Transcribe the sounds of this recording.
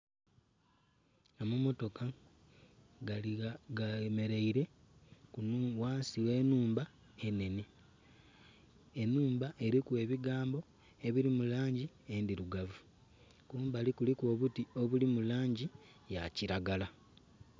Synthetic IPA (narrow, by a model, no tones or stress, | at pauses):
ŋamumo̞to̞ka | ɡame̞ɾe̞iɾe̞ | kunwaːnsiwe̞ːnuːmba | e̞ne̞ne | enuːmbaʔe̞ɾikwe̞ːβiɡaːmbo̞ | e̞βiɾimulaːɲɟi | endiɾuɡavu | kuːmbalikulikwo̞ːβutio̞βulimulaːɲɟi | jaciɾaɡala